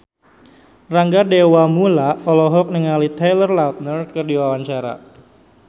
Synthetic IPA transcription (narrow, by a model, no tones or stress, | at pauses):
raŋɡadewamulaɔlɔɦɔk̚nəŋalit̪elərlat̪̚nərkərdiwawaɲt͡ʃaɾa̰